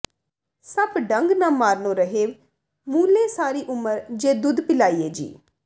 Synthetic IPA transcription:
səbɖəŋɡnãːmaːɾnõːɾəɦeːʋ | muːlẽːsaːɾiːʔʊməɾd͡ʒeːd̪ʊd̪pɪlaːiːeːd͡ʒḭː

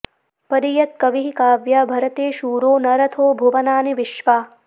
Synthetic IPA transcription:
pɐɾijɐt̪̚kɐʋiɦikaːʋjɐbʱɐɾɐt̪eːʃuːɾoːnɐɾɐt̪ʰoːbʱuʋɐnaːniʋɪʃʋaː

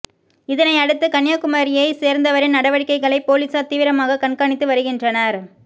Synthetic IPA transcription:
ɪðɐnɐɪɐɽɯt̪ːɯkɐnjaːkʊmaːɾɪjɐɪseːɾnd̪ɐʋɐɾɪnnɐɽɐʋɐɽɪkːɐɪɣɐɭɐɪpːoːlisaːt̪ːiːʋɪɾɐmaːɣɐkɐɳkaːɳɪt̪ːɯʋɐɾɯɣɪndrɐnɐɾ

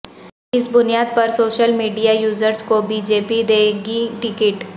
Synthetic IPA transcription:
ɪsbʊnijaːd̪̚pɐɾsoːʃəlmiːɖijajuːzəɾskobiːd͡ʒeːpid̪eːɡiʈɪkɪʈ

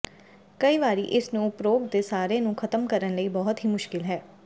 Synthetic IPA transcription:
kəiːʋaːɾiːʔɪsnũʊpɾoːɡ̚d̪eːsaːɾenũkʰət̪əmkəɾənləiːbɔɦʊt̪ɦiːmʊʃkɪlɦɛː

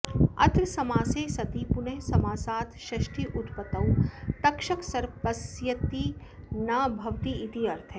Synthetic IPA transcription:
ɐ̰t̪ɾsɐmaːseːsɐt̪iːpunɐɦsɐmaːsaːt̪ʰʃɐʃʈʰiʔut̪pɐt̪ɐwt̪ɐkʃɐksɐɾpɐsjɐt̪i | naːbʱɐʋt̪iit̪iɐɾt̪ʰe

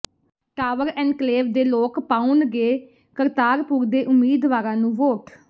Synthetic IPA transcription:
ʈaːʋəɾɛ̃ːɳɖkleːʋd̪eːloːkpãːʊnɡeː | kəɾt̪aːɾpuːɾd̪eːʔʊmːiːd̪ʋaːɾãːnũːʋoːʈ

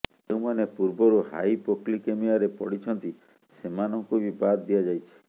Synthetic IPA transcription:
d͡ʒeũmanepuɾbɔɾuha̰jpoklikemiaɾepɔɽit͡ʃʰɔnt̪i | semanɔŋkubibad̪d̪iad͡ʒajt͡ʃʰi̥

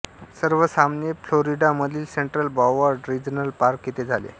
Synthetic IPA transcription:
səɾʋəsamnefloɾiɖaməd̪ʱiːlseɳʈɾəlbaʋaɾɖɾid͡ʑnəlpaɾkjet̪ed͡zʱalḛ

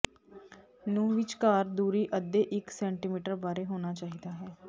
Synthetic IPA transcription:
nũːʋɪt͡ʃkaːɾd̪uːɾiːʔəd̪ːeːʔɪksɛ̃ːɳʈiːmiːʈəɾbaːɾeːɦoːnaːt͡ʃaːɦiːd̪aːɦɛː

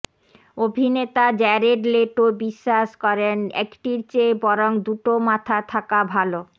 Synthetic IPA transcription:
obʱinet̪ad͡ʑɛɾeɖleʈobiʃːaʃkɔɾenɛ̰kʈiɾt͡ɕebɔɾoŋd̪uʈomat̪ʰat̪ʰakabʱalo

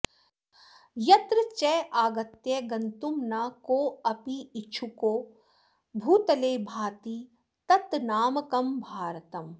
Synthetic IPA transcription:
jɐt̪ɾɨt͡ʃɛaːɡɐt̪jɐɡɐnt̪umnaːkoːɐpiːt͡ʃʰukoː | bʱuːt̪ɐleːbʱaːt̪i | t̪ɐt̪naːmɐkɐmbʱaːɾt̪ɐm

